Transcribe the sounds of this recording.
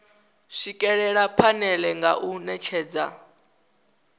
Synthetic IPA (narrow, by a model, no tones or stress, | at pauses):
ʂikʼɛɺɛɺapʰanɛlɛŋɡa̰ʔunɛt͡ʃʰɛːd͡za̰